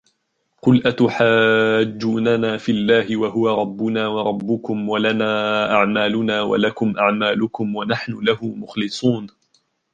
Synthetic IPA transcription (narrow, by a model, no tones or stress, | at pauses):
qʊlʔat̪ʊħaːd͡ʒːuːnanaːfilːaːɦɪwaɦʊwaɾˤɑbːʊnaːwɑɾˤɑbːʊkʊmwalanaːʔaʕmaːlʊnaːwa̰lakʊmʔaʕmaːlʊkʊmwanaħnʊlahʊmʊxlɨsˤuːn